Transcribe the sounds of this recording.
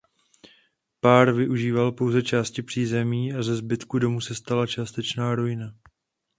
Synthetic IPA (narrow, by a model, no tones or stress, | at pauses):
paːɾvɪʔuʒiːvalpo̞wzɛt͡ʃaːscɪpr̝̥iːzɛmiːʔazɛzbɪt̪kudo̞musɛst̪alat͡ʃaːst̪ɛt͡ʃnaːɾojɪna